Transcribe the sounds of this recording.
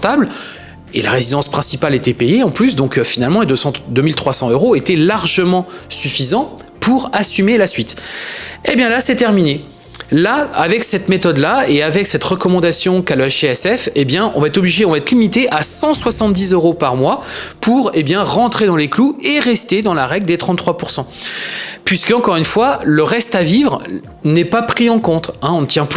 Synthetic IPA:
t̪abl | ḛla̰ʁezid̪ɑ̃spχɛ̃sipalet̪ɛpejeɑ̃plys̬d̪ɔ̃kfinalmɑ̃ed̪øsɑ̃d̪ømilt̪χwasɑ̃øʁoet̪ɛlaʁʒəmɑ̃syfizɑ̃ | pʰuʁasymelasɥit̪ | ebjɛ̃lasɛt̪ɛʁmine | laa̰vɛksɛt̪met̪ɔd̪laeavɛksɛt̪ʁəkɔmɑ̃d̪asjɔ̃kalaʃeɛsɛfebjɛ̃ɔ̃vaɛt̪χɔbliʒeɔ̃vaɛt̪limit̪eʔasɑ̃swasɑ̃t̪̚d̪izøʁopaʁmwapuʁebjɛ̃ʁɑ̃t̪χed̪ɑ̃leklueʁɛst̪ed̪ɑ̃laʁɛɡld̪et̪χɑ̃t̪ːχwapuʁsɑ̃ | pɥiskəɑ̃kɔʁynfwaləʁɛst̪avivʁ | nɛpapχiɑ̃kɔ̃t̪ɛ̃ɔ̃nət̪jɛ̃py

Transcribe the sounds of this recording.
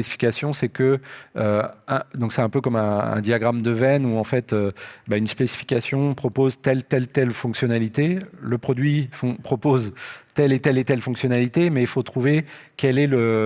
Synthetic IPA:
esi̥fi̥kʲasjɔ̃sɛkəøɛ̃d̪ɔ̃ksɛɛ̃pøkɔmɛ̃ɛ̰̃d̪jaɡʁamd̪əvɛnuɑ̃fɛt̪øbaynspesi̥fi̥kʲasjɔ̃pχɔpozt̪ɛlt̪ɛlt̪ɛlfɔ̃ksjɔnalit̪eləpχɔd̪ɥifɔ̃pχɔpozt̪ɛlet̪ɛlet̪ɛlfɔ̃ŋksjɔnalit̪emɛilfot̪χuvekɛlɛlə

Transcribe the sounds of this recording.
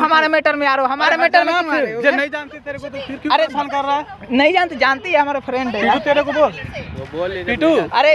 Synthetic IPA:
ɦɐmaːɾemeːʈəɾmẽaːɾoɦɐmaːɾemeːʈəɾmẽod͡ʒenɐĩd͡ʒaːnt̪it̪eːɾekot̪opʰɪɾkjoɐɾep̪ʰɐnkɐɾːaɦɛnɐĩd͡ʒaːnt̪id͡ʒaːnt̪iɦɛɦɐmaːɾepʰɾẽːɳɖɛiʈut̪eɾekoboːl | piʈuɐɾe

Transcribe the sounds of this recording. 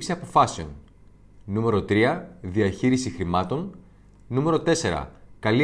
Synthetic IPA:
ksiɐpo̞fɐseo̞n | nume̞ɾo̞t̪ɾiɐðiɐçiɾisixɾimɐt̪o̞n | nume̞ɾo̞t̪e̞se̞ɾɐ̰kɐli

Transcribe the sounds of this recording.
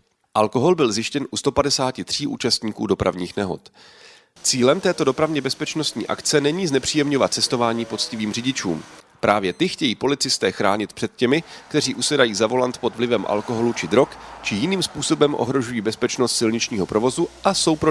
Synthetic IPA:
ʔalko̞ɦo̞lbɪlzjɪʃcɛnʔust̪o̞padɛsaːcɪt̪r̝̥iːʔṵːt͡ʃast̪ɲiːkuːdo̞pɾa̰vɲiːxnɛɦo̞̰t̪ | t͡siːlɛmt̪ɛːt̪o̞do̞pɾavɲɛbɛspɛt͡ʃno̞st̪ɲḭːʔa̰kt͡sɛnɛɲiːznɛpr̝̥iːjɛmɲo̞vat̪̚t͡sɛst̪o̞vaːɲiːpo̞t͡scɪviːmrɪɟɪt͡ʃṵːm | pɾʔaːvjɛt̪ɪxcɛjiːpo̞lɪt͡sɪst̪ɛːxɾaːɲɪt̪̚pr̥ɛt̪̚cɛmɪk̚t̪ɛr̝iːʔusɛdajiːzavo̞lant̪po̞d̪vlɪvɛmʔa̰lko̞ɦo̞lut͡ʃɪd̪ɾo̞kt͡ʃɪjɪniːmspuːso̞bɛmʔo̞̰ɦɾo̞ʒujiːbɛspɛt͡ʃno̞st̪sɪlɲɪt͡ʃɲiːɦo̞pɾo̞vo̞zuʔaso̞wpɾo

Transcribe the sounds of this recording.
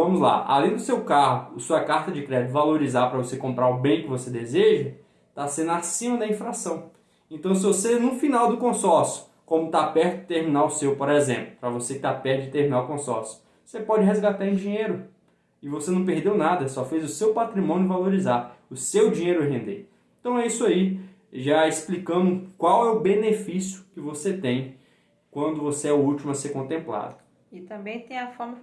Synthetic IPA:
vɐ̃mʊzla̰a̰lẽj̃d̪ʊsewkaɦʊʊːsuɐkaɾt̪ɐd͡ʒɪkɾɛd͡ʒɪt̪ʊvaloɾizaɾpɾɐvosekõmpɾaɾʊbẽj̃kɪvosed̪ezeʒɐ | t̪asẽnʊasĩmɐd̪ɐĩfɾasɐ̃w̃ | ẽt̪ɐ̃w̃s̬ɪvosenʊ̃finawd̪ʊkõsɔɾsjʊ̥ | kõmʊt̪apɛɾt̪ʊd͡ʒɪt̪eɾmĩnawʊsewpoɾɛzẽplʊpɾɐvosekɪ̥t̪apɛɾt̪ʊd͡ʒɪt̪eɾminawʊkõsɔɾsjʊ̥ | vosepɔd͡ʒɪɦezɡat̪aɾẽd͡ʒĩɲejɾʊ | ɪvosenɐ̃w̃peɾd̪ewnad̪ɐsɔfejzʊsewpat̪ɾimõnjʊʊvaloɾizaɾʊsewd͡ʒĩɲejɾʊɛɦẽnd̪ḛ | eẽt̪ɐ̃w̃ɛisʊai | ʒaesplikɐ̃mʊkwawɛʊbenefisjʊkɪvoset̪ẽj̃ | kwɐ̃nd̪ʊvoseɛuut͡ʃimʊɐseɾkõnt̪ẽmpla̰d̪ʊ | ɪt̪ɐ̃mbẽj̃t̪ẽj̃ɐfɔɾmɐ

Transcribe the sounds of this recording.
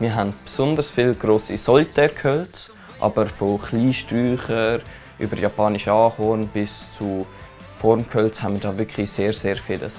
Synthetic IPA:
miːɦɛntpsʊndəɾsfilɡ̥ɾoːsisɔltʰɛɾkʰœl | ʔɑ̰bəɾfoχliːʃtryːχəɾ | ʔy̰bəɾjɑpɑːniʃɑːhɔːnb̥ɪst͡su | fɔɾmkʰœlt͡shɛnmiːdɑːʋɪkχliseːɾseːɾfɪːlə̰s

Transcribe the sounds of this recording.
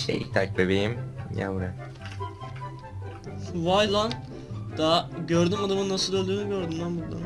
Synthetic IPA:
ʃḛjḭt̪ʰak̚bebejimja̰vuɾa | vajlˠan | d̪̥aɟøɾd̪ymad̪amɯnːasɯlˠølʲd̪yːnyɟø̞ɾd̪ymd̪anbuld̪ˠa̰n

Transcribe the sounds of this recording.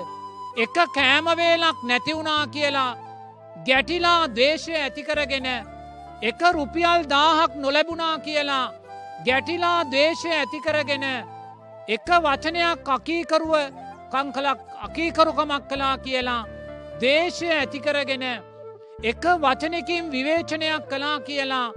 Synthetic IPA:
ekəkæːmɐʋeːlaknæt̪iunaːkijəla | ɡæʈilaːd̪eːʃɐjɛt̪ikəɾəɡenə | ekəɾupijald̪aːɦɐknolɛbunaːkijəla | ɡæʈilaːd̪eːʃejɛt̪ikəɾəɡenə | ekəʋat͡ʃənejakːakiːkɐɾuʋəkɐŋkɐlakakiːkɐɾukɐmakːelaːkijəlad̪eːʃɐjɛt̪ikəɾəɡenə | ekəʋat͡ʃɐnekimʋiʋeːt͡ʃɐnejakːelaːkijəla

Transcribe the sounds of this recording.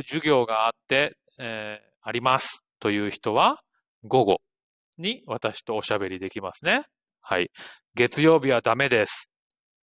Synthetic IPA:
ʑɨɡʲo̞ːɡaːt̪ːe̞ | aɾʲimasɨ̥t̪o̞jɯ̟ːçi̥t̪o̞βa | ɡo̞ɡo̞̰ | ɲ̟iβat̪aɕi̥t̪o̞ːɕabe̞ɾʲid̪e̞kʲimasɨne̞ | hai | ɡe̞t͡sɨjo̞ːbʲiβad̪ame̞d̪e̞sɨ̥

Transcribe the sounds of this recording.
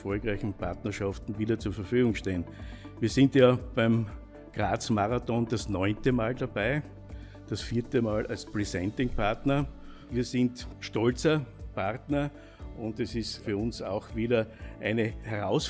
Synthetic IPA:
fɔlkʁaɪçn̩pʰa̰ɐtnɐʃaftn̩viːdɐt͡suːɐfɐfyːɡʊŋʃteːn | viːɐsɪntjaːb̥æɪm | ɡ̥ʁaːt͡smaʁatɔnd̥asnɔʏntəmaːldabæɪ | d̥asfiːɐtəmaːlʔa̰lspʁisɛ̃ntɪŋpʰaɐtnɐ | viːɐsɪntʃtɔlt͡sɐpʰaʁtnɐ | ʔʊ̃ndɛsɪstfyːɐʊnsaʊxviːdɐʔæɪnəhɛʁaʊs

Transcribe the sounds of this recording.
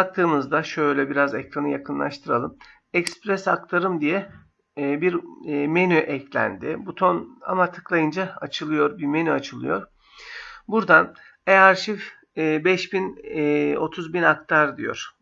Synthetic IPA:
bak̚t̪ʰɯːmɯzd̪aʃø̞jlʲɛbiɾazɛkɾanɯjakʰɯnlˠa̰ʃt̪ʰɯɾa̰lˠɯm | ɛcspɾɛsakt̪ʰaɾɯmd̪ijɛː | biɾmenyʔɛclʲæ̰nd̪ɪbut̪ʰo̞na̰mat̪ʰɯ̥klˠajɯnd͡ʒaat͡ʃʰɯlˠɯjo̞ɾbimenyat͡ʃʰɯlˠɯ̰jo̞̰ɾ | buɾd̪an | eaɾʃif | bɛʃbin | o̞t̪ʰuzbinak̚t̪ʰaɾd̪ijo̞̰ɾ̥

